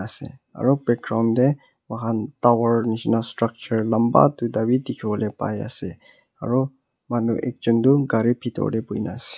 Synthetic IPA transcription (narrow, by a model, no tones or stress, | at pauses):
asɛ̰a̰ɹupɛkɹawnd̪ɛ | wakʰantawəɹnisnastɹak̚t͡ʃəɹlamba̰t̪ud̪awid̪ikʰiɔlɛpa̰ja̰sɛ | a̰ɹu | manuʔḛk̚d͡ʒɔnd̪uɡaɹipʰit̪ɔ̰lɛpujnasɛ̥